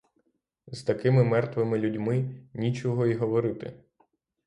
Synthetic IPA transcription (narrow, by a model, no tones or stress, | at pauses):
z̥t̪ɐkɪmɪmɛrt̪ʋɪmɪlʲudʲmɪnʲit͡ʃɔɦɔiɦɔʋɔɾɪt̪ɪ̰